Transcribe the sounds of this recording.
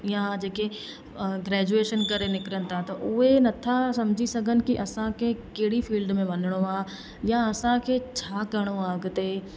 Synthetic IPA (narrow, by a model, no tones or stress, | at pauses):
jãd͡ʑeːke | ɡɾɛːd͡ʒueːʃənkɐɾenɪkɾəñɪ̆t̪ʰat̪ɐʔʊɦenɐt̪ʰasɐmd͡ʒʱisɐɡʱənɪ̆kiʔɐsãkʰekeɦɽifiːlɖmẽʋɐnəɽ̃oaː | jaɐsãkʰet͡ɕʰaːkɐɽ̃oaːɡt̪eː